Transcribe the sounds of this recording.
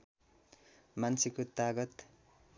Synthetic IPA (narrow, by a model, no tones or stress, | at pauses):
mansekot̪aɡʌt̪